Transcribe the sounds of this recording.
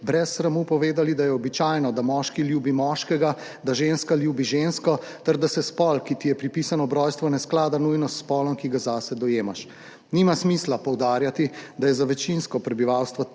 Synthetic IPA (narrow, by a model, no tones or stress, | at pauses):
bɾɛsːɾamupɔʋeːd̪alid̪ajɛɔbit͡ʃajnɔd̪amɔːʃkiljuːbimɔʃkɛɡa | d̪aʒenskaljuːbiʒenskɔt̪ɛɾd̪asɛspɔlkit̪ijɛpɾipisanɔbɾɔjst̪ʋɔnɛsklaːd̪anujnɔsːpɔːlɔmkiɡazasɛd̪ɔjeːmaʃ | nimasmislapɔwd̪aːɾjat̪id̪ajɛzaʋɛt͡ʃinskɔpɾɛbiʋawst̪ʋɔ